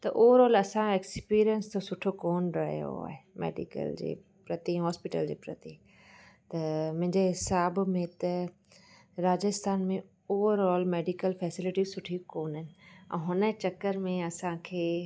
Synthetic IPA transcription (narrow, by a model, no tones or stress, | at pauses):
t̪ɐʔoʋəɾɔːlɐsãekspiːɾijənst̪ʰosʊʈʰokoːnɾɐɦjo̰a̰ːɦemḛːɖḭkə̰ld͡ʑḛː | pɾɐt̪ĩɦɔːspiʈə̰ld͡ʑḛːpɾɐt̪i | t̪ɐmʊ̃ɦɪ̃ɲd͡ʑeɦɪsaːbmẽt̪ɐ | ɾaːd͡ʑəst̪ʰaːnmẽ | oːʋəɾɔːlmeːɖikəlfɛːsɪlɪʈisʊʈʰikoːnɦɪnɪ̆ɛ̰̃ːɦʊnət͡ɕɐkːəɾmẽɐsãkʰeː